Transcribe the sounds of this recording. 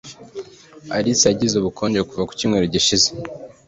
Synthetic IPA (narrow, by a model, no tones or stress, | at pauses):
a̰ɾiseaɟizuβukʰo̞ːɲɟekuvaku̥cimŋeɾoɟiʃize